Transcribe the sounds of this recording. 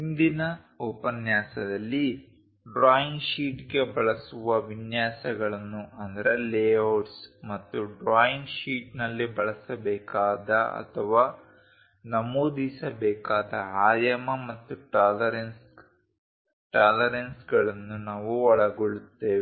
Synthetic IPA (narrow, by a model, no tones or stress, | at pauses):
ind̪inɐ | ɔːpɐnjaːsɐd̪ɐlːi | ɖɾaːjiŋɡʃiːʈɡe̞bɐɭɐsuʋɐʋinjaːsɐɡɐɭɐnːuʔɐnd̪ɐɾeleːɐːʈsmɐt̪ːuɖɾaːjiŋɡʃiːʈnɐlːibɐɭɐsɐbɛːkaːd̪ɐɐ̰t̪ʰɐʋaː | nɐmoːd̪isɐbɛːkaːd̪ɐaːjɐmɐmɐt̪ːuʈaːlɐɾens | ʈaːlɐɾensɡɐɭɐnːunaːʋuɔɭɐɡoɭut̪ːeːʋi